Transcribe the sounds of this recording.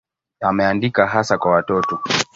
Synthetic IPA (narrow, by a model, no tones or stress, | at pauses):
amɛandikaɦasakwawatɔtɔ